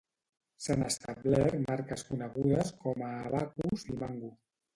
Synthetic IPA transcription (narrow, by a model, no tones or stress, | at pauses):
senəst̪aβlɛɾmaɾkəskunəɣuðəskɔmaːβakuzimaŋɡu